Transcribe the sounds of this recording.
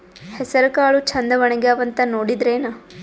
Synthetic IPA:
hɛsɐɾɐkaːɭut͡ʃʰɐnd̪ɐʋɐɳɐɡaːʋɐnt̪ɐnoːɽid̪ɾeːnɐ

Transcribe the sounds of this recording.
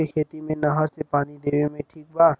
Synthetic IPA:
ekʰet̪imenʌɦʌɾsepanid̪ebemeʈʰik̚ba

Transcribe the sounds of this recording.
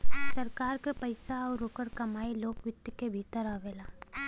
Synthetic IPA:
sɐɾkaːɾkepɐɪsaɔːɾoːkəɾkɐmaːiloːkʋɪt̪jəkebʱiːt̪əɾaːʋeːlaː

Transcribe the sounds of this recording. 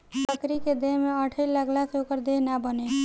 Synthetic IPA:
səkɾiked̪eɦmeəʈʰəjləɡlaseokəɾd̪eɦnabəne

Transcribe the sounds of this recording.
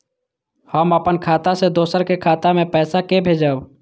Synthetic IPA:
həməpənkʰaːt̪ased̪oːsəɾkekʰaːt̪amẽpɛːsakebʱed͡ʒəb

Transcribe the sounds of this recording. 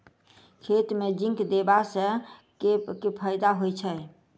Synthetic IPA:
kʰet̪med͡ʒĩŋkd̪ebasə̃kekepʰəjd̪aɦojt͡ʃʰə

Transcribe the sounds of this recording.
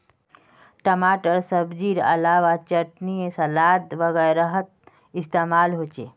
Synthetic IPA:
ʈəmaːʈəɾsəbd͡ʒiːɾɐ̰laːʋat͡ʃəʈniesɐlaːd̪ʋəɣɛɾəɦət̪̚ | ɪst̪eːmaːlɦot͡ʃḛ

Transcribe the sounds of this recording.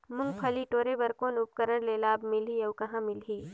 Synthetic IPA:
mʊ̃ŋɡ̚pʰɐliʈoːɾebɐɾkõnup̚kəɾəɾleːlaːbmɪliɐwkɐɦãmɪlɦiː

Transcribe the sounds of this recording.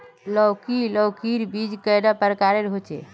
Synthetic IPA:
lɔwkilɔwkiɾbid͡ʒkəjɖapəɾkaɾeɾɦot͡ʃḛ

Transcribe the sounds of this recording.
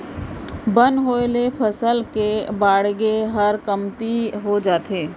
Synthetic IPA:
bə̃nɦoːlepʰəsəlkebaːɽɡeɦɐɾkɐmt̪iɦod͡ʒaːt̪eː

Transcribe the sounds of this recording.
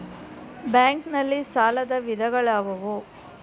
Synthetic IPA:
baːŋknɐlːisaːlɐd̪ɐʋid̪ʱɐɡɐɭaːʋɐʋu

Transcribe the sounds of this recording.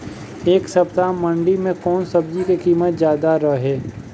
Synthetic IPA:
eːksɐpt̪amɐ̃ɳɖimẽkɔːnsɐbd͡ʒikekiːmət̪zjaːd̪aɾəɦɦɛː

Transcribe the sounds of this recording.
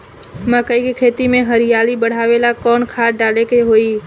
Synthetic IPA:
mə̃kəikekʰeːt̪imẽɦəɾɪjaːlibəɽ̤aːʋelakɔːnkʰaːɖaːlekeɦoiː

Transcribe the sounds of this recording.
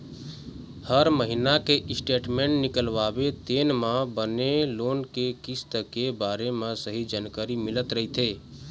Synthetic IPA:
həɾməɦinakeʔɪsʈeːʈmẽːɳʈnɪkəlʋaːbet̪eːnmãbəneloːnkekɪst̪əkebaːɾemãsəɦid͡ʒaːnkəɾimɪlət̪ɾəɦit̪ʰeː

